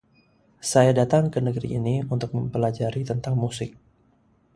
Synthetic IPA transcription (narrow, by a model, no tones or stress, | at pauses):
sajadat̪aŋkənəɡəɾḭʔːniunt̪ʊk̚məmpəlad͡ʒaɾit̪ənt̪aŋmusɪk̚